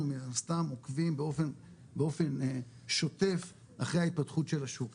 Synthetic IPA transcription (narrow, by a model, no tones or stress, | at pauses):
minnast̪amokvimbeofen | beo̞fe̞n | ʃo̞te̞f | aχʁehait̪̚patχutʃe̞laʃuk